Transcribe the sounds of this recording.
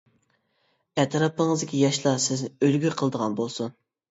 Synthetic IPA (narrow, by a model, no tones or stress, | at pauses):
ɛt̪ʰɾɑpəŋɨzd̪ɪ̥kʲʰijɑʃlˠɑsɪznɪølɡʲyqʰəlˠəd̪əʁɑnbolˠsun